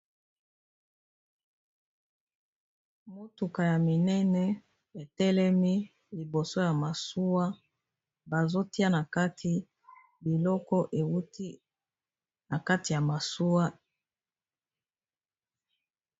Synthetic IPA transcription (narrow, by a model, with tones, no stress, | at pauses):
mo˦tu˨ka˨ja˨mi˨nɛ˦nɛ˦ | e˨tɛ˦lɛ˦mi˦ | li˨bo˨so˦ja˨ma˨su˦wa˦ | ba˨zo˦ti˦a˦na˨ka˦tʰi˦ | bi˨lɔ˦kɔ˦ʔe˨wu˦ti˦ | na˨ka˦ti˨ja˨ma˨su˦wa˦